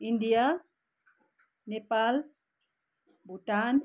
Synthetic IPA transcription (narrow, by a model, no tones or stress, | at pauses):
inɖija | nepal | buʈan